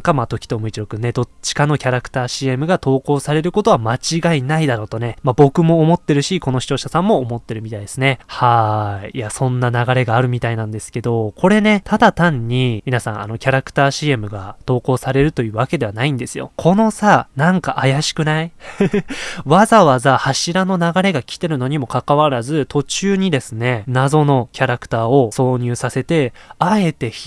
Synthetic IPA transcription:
ŋkamat̪o̞kʲi̥t̪o̞mɯ̟it͡ɕiɾo̞kɯ̟nːe̞d̪o̞t͡ɕi̥kano̞kʲaɾakɯ̟̥t̪aːɕiːe̞mɯ̟ɡat̪o̞ːko̞ːsaɾe̞ɾɯ̟ko̞t̪o̞βamat͡ɕiɡainaid̪aɾo̞ːt̪o̞ne̞mabo̞kɯ̟mo̞ːmo̞t̪ːe̞ɾɯ̟ɕiko̞no̞ɕi̥t͡ɕo̞ːɕasãmːo̞ːmo̞t̪ːe̞ɾɯ̟mʲit̪aid̪e̞sɨne̞haiːasõ̞nːanaɡaɾe̞ɡaːɾɯ̟mʲit̪ainãnd̪e̞sɨ̥ke̞d̪o̞kʰo̞ɾe̞ne̞t̪ʰad̪at̪ãɲ̟ːimʲinasã̰a̰no̞kʲaɾakɯ̟̥t̪aːɕiːe̞mɯ̟ɡat̪o̞ːko̞ːsaɾe̞ɾɯ̟t̪o̞jɯ̟ːβake̞d̪e̞βanaĩnd̪e̞sɨjo̞̰kʰo̞no̞sanãŋkaʔajaɕi̥kɯ̟nai | βazaβazahaɕiɾano̞naɡaɾe̞ɡakʲi̥t̪e̞ɾɯ̟no̞ɲ̟imo̞kakaβaɾazɨt̪o̞t͡ɕɨːɲ̟id̪e̞sɨne̞nazo̞no̞kʲaɾakɯ̥t̪aːo̞so̞ːɲ̟ɨːsase̞t̪e̞ae̞t̪e̞ç

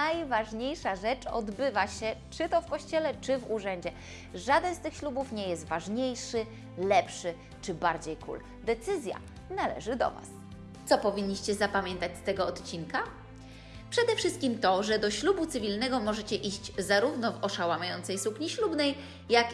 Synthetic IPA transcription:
ajvaʐɲejʂaʐɛt͡ʂɔ̰d̪bɘvaɕɛt͡ʂɘt̪ɔfkɔɕt͡ɕɛlɛt͡ʂɘvuʐɛɲd͡ʑɛ | ʐad̪ɛnst̪ɘxɕlubufɲɛjɛst̪vaʐɲejʂɘ | lɛpʂɘ | t͡ʂɘbaɾd͡ʑejkʰṵl | d̪ɛt̪sɘzʲja̰ | nalɛ̰ʐɘd̪ɔ̰va̰s | t̪sɔpɔvʲiɲːiɕt͡ɕɛzapamʲjɛnt̪at͡ɕʲst̪ɛɡɔɔt̪t͡ɕinka | pʂɛd̪ɛfʂɘst̪̚kʲimt̪ɔʐɛd̪ɔɕlubut̪sɘvʲilnɛɡɔmɔʐɛt͡ɕɛʔiʑd͡ʑzaɾuvnɔvɔʂawamajɔnt̪sɛjsukɲiɕlubnɛj | jak

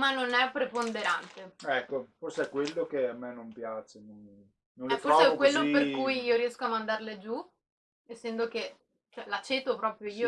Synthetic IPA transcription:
manːonɛpːɾepond̪eɾant̪eɛkːoforseɛkːwelːokeamːenompjaːt͡ʃenon | nõnlfoɾsɔseɛkwelːoperkujiːoɾiɛskoamːand̪arled͡ʒu | esːɛnd̪ok̟e | t͡ʃɛlat͡ʃːet̪opɾɔːpɾjoiːo

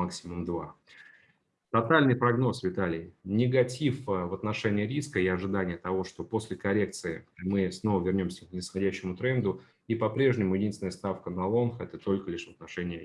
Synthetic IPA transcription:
aksʲɪmʊmd̪va | t̪ɐt̪alʲnɨjpɾɐɡno̞svʲɪt̪alʲɪjnʲɪɡɐtʲifvɐt̪nɐʂɛnʲɪjəɾʲiskəiɐʐɨd̪anʲɪjət̪ɐvo̞ʂt̪o̞po̞sʲlʲɪkɐɾʲek̚t̪sɨɪmɨsno̞vəvʲɪrnʲo̞msʲəknʲɪsxɐdʲæɕːɪmʊt̪ɾɛnd̪ʊ | ipɐpɾʲe̞ʐnʲɪmʊjɪdʲinsʲɪnəjəst̪afkənɐlˠo̞nxɛt̪ət̪o̞lʲkəlʲɪʂvət̪nɐʂɛnʲɪjə

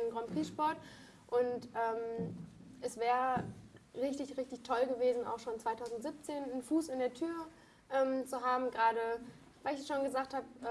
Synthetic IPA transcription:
nnɡʁɔmpʁiːʃpɔɐt | ʔʊntʔɛːm | ʔɛsv̥ɛːʁəʁɪçtɪçʁɪçtɪçtʰɔlɡəveːzn̩a̰ʊxʃoːnt͡sv̥aɪtʰaʊzn̩tz̥ɪp̚t͡seːnnfuːsɪndeːɐtʰyːɐ | ʔɛːmt͡suɦaːbm̩ɡʁaːɾə | vaɪɪçɛsʃoːnɡəzaːk̚thaːbəʔ

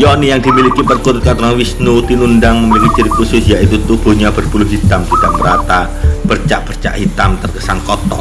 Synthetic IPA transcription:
jɔnijaŋd̪̥imilikipərkuɾʊt̪̚kat̪laŋwisnut̪inundaŋməmilikit͡ʃiɾik̚ːusʊsjaʔit̪ut̪ub̥ṳɲabərb̥ulʊhɦit̪amd͡ʒudaʔməɾat̪a | b̥ərt͡ʃa̰ʔb̥ərt͡ʃa̰ʔhit̪amt̪ərkəsankɔt̪ɔ̰

